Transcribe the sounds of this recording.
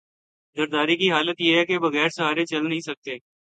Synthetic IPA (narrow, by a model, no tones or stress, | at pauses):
zəɾd̪aːɾikiɦaːlət̪jeɦɛkebɐɣɛːɾsɐɦaːɾet͡ʃɐlnəɦĩsɐk̚t̪eː